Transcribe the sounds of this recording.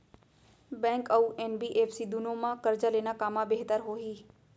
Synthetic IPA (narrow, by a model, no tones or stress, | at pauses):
bɛ̃ːŋkəuʔenbiːʔeːfsiːd̪ʊnõmãkəɾd͡ʒaleːnakaːmãbeːɦt̪əɾɦoːɦiː